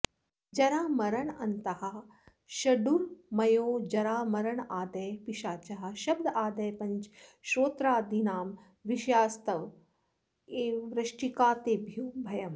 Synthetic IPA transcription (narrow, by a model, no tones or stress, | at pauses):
d͡ʒɐɾaːmɐɾɐɳɐnt̪ɐhɐ̆ | ʃɐɖuɾmɐjoːd͡ʒɐɾaːmɐɾɐɳaːd̪ɐjpiʃaːt͡ʃɐɦɐ̆ʃɐbd̪ʱaːd̪ɐjpɐɲt͡ʃʃoːt̪ɾaːd̪inaːm | ʋiʃjaːst̪ɐʋ | eːʋɾɐʃʈikaːt̪eːbʱjuwbʱɐjɐm